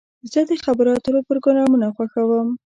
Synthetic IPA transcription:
zəd̪əxabəɾɑt̪əɾopəɾɡʊnɑmunaxwaxawəm

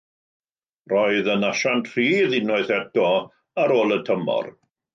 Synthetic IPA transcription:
rɔɨðənaʃantʰr̥iːðɪnɔɨθɛtʰɔ | aɾoːlˠətʰəmɔ̰r

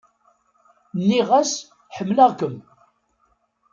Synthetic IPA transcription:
nːiʁæs | ħəmːləʁkəm

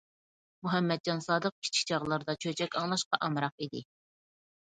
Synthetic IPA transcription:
muɦɛmːɛd̪̚d͡ʒɑnsɑːd̪əq̚kʲʰi̥t͡ʃʰi̥k̚ʲt͡ʃʰɑʁlˠɑɾd̪ɑt͡ʃʰøt͡ʃʰɛkʲɑŋlˠɑʃqɑʔɑmɾɑq̚id̪ɪ

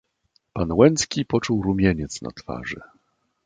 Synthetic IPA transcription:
panwɛnt̪skʲipɔt͡ʂuwɾumʲjɛɲɛt̪sna̰t̪fa̰ʐɛ̰

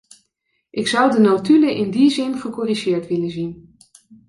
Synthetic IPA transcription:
ʔɪksʌwdənowtyləʔɪndizɪnχəkɔriʒɪːɹtʋɪlənzin

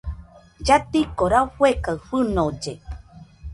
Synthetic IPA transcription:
d͡ʒat̪ikoɾauɸwekawfɨnod͡ʒe

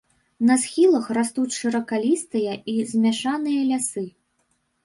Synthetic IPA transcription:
nɐsxʲilˠɐxrast̪ut͡sʲʂɨɾɐkalʲist̪ɨjɐʔizʲmʲaʂanɨjɐlʲasɨ

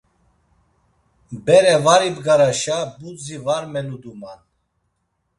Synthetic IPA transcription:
bɛɾɛvaɾibɡaɾaʃabud͡zivaɾmɛnud̪uman

